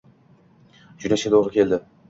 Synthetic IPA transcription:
d͡ʒʊnaʃʲat̪ʰoʁɾɪkʲʰe̞ld̪ɪ

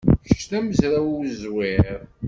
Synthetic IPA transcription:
ʃʃt̪æməzɾæwiwzwɪɾ

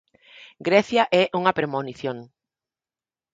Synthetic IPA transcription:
ɡɾɛθjaʔɛʔuŋɐpɾemoniθjoŋ

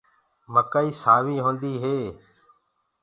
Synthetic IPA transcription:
məkaːiːsaːʋiːɦõːnd̪iːɦeː

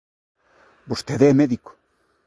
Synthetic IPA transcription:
bost̪eðemeðiko̥

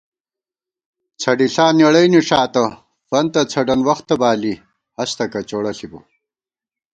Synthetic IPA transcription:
t͡sʰɐɖiɬaːneɽɐjniʂaːt̪ɐ | fɐnt̪ɐt͡sʰɐɖɐnwɐxt̪ːɐbaːli | hɐst̪ɐkɐt͡ɕoːɽɐɬibo̰

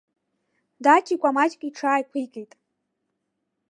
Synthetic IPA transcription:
dat͡ʃʰikʷʼamat͡ʃʼkʼiʈ͡ʂʰaːjkʷʰijkʼejtʼ

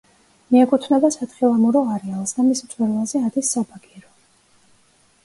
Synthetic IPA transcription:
miɛkʼut̪ʰnɛbasat̪χilˠamuɾɔaɾɛalˠsd̪amismt̪sʰʼwɛɾvalˠzɛad̪isːɔbaɡiɾɔ

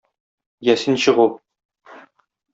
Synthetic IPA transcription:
jæsɘnɕɤ̆ʁu

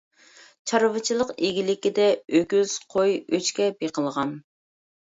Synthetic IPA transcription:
t͡ʃʰɑɾvɨt͡ʃʰilˠəqeɡʲilɪkʲid̪ɛøɡʲyz̥qʰojøt͡ʃkʲɛbeqʰəlˠʁɑn

